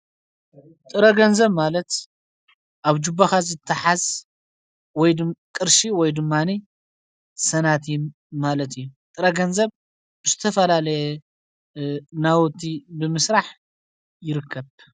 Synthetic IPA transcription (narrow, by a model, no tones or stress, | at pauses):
t̪ʼɨɾɐɡɐnzɐβmalɐt̪ | ʔaβd͡ʒubːaxazɨt̪ʰːɨħaz | wɔjkʼɨɾʃiwɔjd̪ɨmːani | sɐnat̪i | malɐt̪ʰijut̪ʼɨɾɐɡɐnzɐβ | bɨzɨt̪ʰɐfɐlalɐjɛ | nawɔt̪ʰibɨmɨsɾaħ | jɪɾɨkʰːɐβ